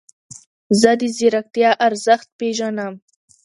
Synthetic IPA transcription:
zəd̪iziɾak̚t̪jɑʔaɾzəxt̪̚peʒanam

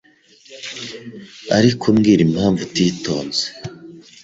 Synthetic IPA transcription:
aɾikʰumɡiɾimhaːɱvutiːtʰo̞ːnze̥

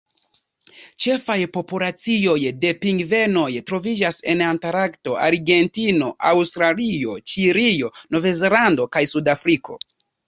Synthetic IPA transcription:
t͡ʃe̞fajpo̞pulat͡sio̞jde̞piŋɡve̞no̞jtɾo̞vid͡ʒase̞̰nantaɾakto̞ʔaɾɡe̞ntino̞ʔawstɾalio̞t͡ʃiɾijo̞no̞vezelando̞kajsudafɾiko̞̰

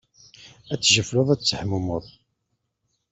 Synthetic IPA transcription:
æt͡sːʒəfloðˤæt͡st͡sːəħmumoðˤ

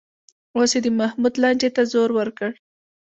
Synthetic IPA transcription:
osed̪əmahmud̪lɑɳd͡ʒet̪azoɾwəɾkəɽ

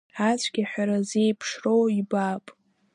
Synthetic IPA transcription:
at͡ɕʷʰʼɡʲiħʷᶣaɾaze̞jpʰʂrowibapʼ

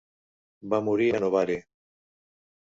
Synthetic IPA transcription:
bamuɾianoβaɾe

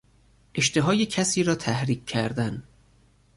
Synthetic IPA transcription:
ʔeʃt̪e̞ɦɒːjecʰæsiːɾɒːt̪ʰæhɾiːk̚ʰːæɾd̪æn

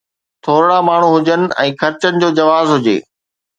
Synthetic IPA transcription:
t̪ʰoːɾɽamaːɳ̤uɦʊd͡ʑənɪ̆ɛ̃ːxɐɾt͡ɕənɪ̆d͡ʑoːd͡ʑɐʋaːzɦʊd͡ʑḛː

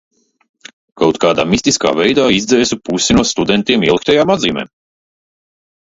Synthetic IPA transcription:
kawt̪kaːd̪a̰ːmist̪iska̰ːvɛjd̪aːizd̪zɛːsupusʲinuɔst̪ud̪ɛnt̪iɛmiɛlˠik̚t̪ɛjaːmad̪ziːmɛ̰ː

